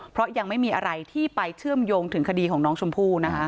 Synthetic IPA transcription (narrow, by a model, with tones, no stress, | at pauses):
pʰɾɔ˦˥ja˧ŋma˥˩jmiː˧ʔa˧ɾa˧jt̪ʰiː˥˩pa˧jt͡ɕʰɯ˥˩əmjoː˧ŋt̪ʰɯ˨˩˦ŋkʰa˧diː˧kʰɔː˩˦ŋnɔː˦˥ŋt͡ɕʰo˧mpʰuː˥˩na˦˥kʰa˦˥